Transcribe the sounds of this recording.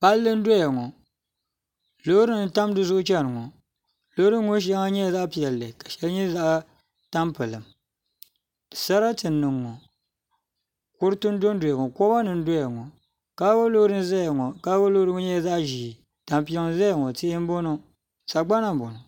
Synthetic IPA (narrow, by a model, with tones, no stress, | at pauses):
pa˦lːɨ˦n̩˦do˦ja˨ŋɔ˨ | lo˦ɾɨ˦nɨ˨ta˦m˦dɨ˨zʊ˦ʔʊ˦t͡ʃɛ˦nɨ˨ŋɔ˨ | lo˦ɾɨ˦ŋo˦ʃ̬a˦ŋa˦ɲɛ˦˨za˦pi˨ɛ˨lːɨ˨ka˨ʃɛ˦lɲɛ˦za˦ʔ | ta˦mpɨ˨lɨ˨m˨ | sa˦ɾa˦tɨ˨nːɨ˨ŋːɔ˨ | kʊ˦ɾɨ˦tɨ˦n˦do˦n˦do˨a˨ŋɔ˨kɔ˦ba˦nɨ˨n̩˦do˦ja˨ŋɔ˨ | ka˦ɡo˦lo˦ɾɨ˦n˦za˦ja˨ŋɔ˨ka˦ɡo˦lo˦ɾɨ˦ŋɔ˦ɲɛ˦˨za˦ʔʒi˨ | ta˨mpi˨ɛ˦ŋ˨za˦ja˨ŋɔ˨tɨ˦ʔɪ˦m˦bo˦nɔ˦ | sa˨ɡ͡ba˦na˨m˨bo˨nɔ˨